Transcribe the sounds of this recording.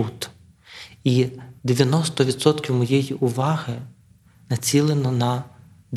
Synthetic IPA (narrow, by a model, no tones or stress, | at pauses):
ut̪ | id̪eʋʲjɐnɔst̪ɔʋʲid̪sɔt̪kʲiwmɔjɛjiʔʊʋɑɦɪ | nɐt͡sʲilˠenɔnɐ | d̪